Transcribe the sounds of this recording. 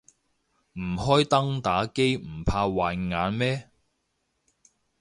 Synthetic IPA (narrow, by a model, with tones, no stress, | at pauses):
m̩˨˩hɔː˥jt̪ɐ˥ŋt̪aː˨˥ke˥jm̩˨˩pʰaː˧waː˨˧jŋaː˨˧nmɛː˥